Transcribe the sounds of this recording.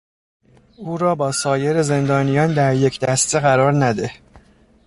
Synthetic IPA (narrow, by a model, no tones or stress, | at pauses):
uːɾɒːbɒːsɒːje̞ɾe̞ze̞nd̪ɒːnijɒːnd̪æɾje̞cʰd̪æst̪e̞ɣæɾɒːɾnæd̪e̞